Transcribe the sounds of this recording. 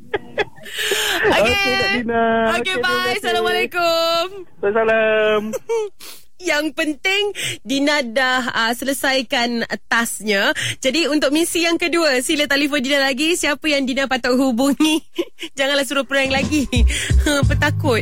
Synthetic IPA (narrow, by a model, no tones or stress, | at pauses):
okekedadinaokebajsalamalekʊmbasalam | jaŋpənt̪ɪŋdinãdahəsələsajkanət̪asɲad͡ʒadiunt̪ʊk̚mĩsijaŋkəduəsilət̪alifondinalaɡisiapəjaŋdinapat̪aʔɦubuŋnĩd͡ʒaŋanlasuɾʊpəɾaŋlaɡi | pət̪akʊt̪̚